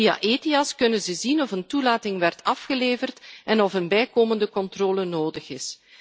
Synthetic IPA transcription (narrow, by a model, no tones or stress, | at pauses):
ia̰ʔeːtiɑskɵnənzəzinɔfəntulaːtɪŋʋɛrtʰɑfxəleːvərtɛnɔfənbɛjkoːməndəkɔntroːlənoːdəxɪs